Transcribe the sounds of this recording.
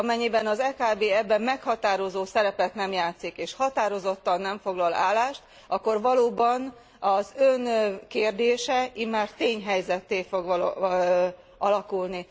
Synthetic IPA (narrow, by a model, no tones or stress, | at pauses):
ɒmɛɲːibɛnɒzɛːkaːbeːɛbːɛmːɛkhɒt̪aːɾo̞zoːsɛɾɛpɛt̪nɛmjaːt̪sikeːʃhɒt̪aːɾo̞zo̞t̪ːɒnːɛɱfo̞ɡlɒla̰ːlːaːʃt̪ | ɒkːo̞rʋɒloːbɒn | ɒzønkeːrd̪eːʃɛimːaːrt̪eːɲɦɛjzɛt̪ːeːfo̞ɡl | ɒlɒkulni